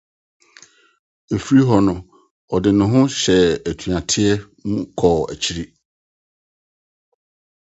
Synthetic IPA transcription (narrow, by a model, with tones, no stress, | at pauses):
e˨fi˦ɾi˦ɦɔ˨nʊ̃˨ | ɔ˨dɪ˨nʊ̃˨ɦʊ̃˦ɕɛ˨æ˨tʰu˨ã˨tʰɪ˦ɛ˦ | mũ˦kʰɔ˨æ̰˨t͡ɕʰi˦ɾi˦